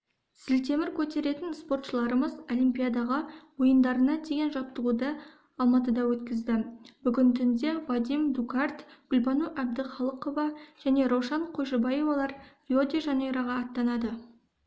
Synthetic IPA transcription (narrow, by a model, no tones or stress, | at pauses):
sɪlt̪e̞mɪɾkʲʰɵt̪e̞ɾe̞t̪ɪnspo̞rt̪ʃəlˠɑɾəməzolʲijmpʲijad̪ɑʁɑwojənd̪ɑɾənɑd̪e̞ɡʲe̞nʒɑp̚t̪əʁud̪ə | ɑlˠmɑt̪əd̪ɑwɵt̪kʲɪzd̪ɪbʏɡʲɪnt̪ʰʏnd̪e̞vɑd̪ijmd̪ukɑrt̪ɡ̥ʊlbɑnuʔæb̚d̪ɪχɑlˠəqo̞vɑʒ̥æne̞ɾowʃɑɴqʰojʒɪbɑjo̞vɑlˠɑɾrʲiod̪ʲiʒɑnejɾɑʁɑːt̪ːɑnɑd̪ə